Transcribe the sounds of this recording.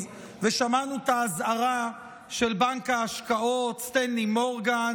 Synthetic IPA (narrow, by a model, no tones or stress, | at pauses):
veʃamanut̪aːzaʁa | ʃe̞lbaŋkaːʃkaot̪st̪endimoʁɡan